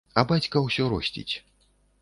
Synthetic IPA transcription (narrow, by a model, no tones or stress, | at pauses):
ɐbat͡sʲkɐwsʲɔɾɔsʲt͡sʲḭt͡sʲ